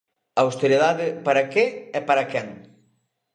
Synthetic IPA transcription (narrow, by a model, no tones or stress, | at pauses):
ɐwst̪eɾiðaðɪpaɾɐkeɛpaɾɐkɛŋ